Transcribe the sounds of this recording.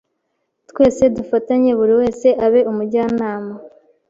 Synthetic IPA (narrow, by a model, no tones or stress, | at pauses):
tkwe̞ːse̞dufataɲe̞βuɾiwe̞ːse̞ʔaβe̞ʔumuɟaːnaːma